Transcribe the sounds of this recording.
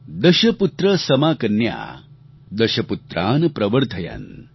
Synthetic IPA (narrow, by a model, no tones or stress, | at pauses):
d̪ɐʃɐput̪ɾɐsɐmaːkɐnja̰ː | d̪ɐʃɐput̪ɾa̰ːnpɾɐʋɐɾt̪ʰɐja̰n